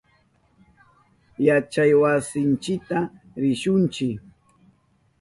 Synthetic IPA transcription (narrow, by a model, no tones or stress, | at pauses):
jat͡ʃajwasɪnt͡ʃɪk̚t̪a | ɾɪʃʊnt͡ʃɪk